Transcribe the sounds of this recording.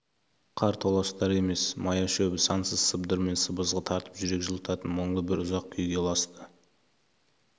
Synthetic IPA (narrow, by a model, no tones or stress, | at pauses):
qʰɑɾt̪ʰolˠɑst̪ɑɾe̞me̞smɑjɑʃɵbɪsɑnsəzsəbd̪əɾme̞nsəbəzʁət̪ʰɑɾt̪ə̥pʒʏɾe̞kʲʒəlˠət̪ɑt̪ənmoɴlˠəbɪɾʊzɑq̚kʲʰʏjɡʲe̞lˠɑst̪ə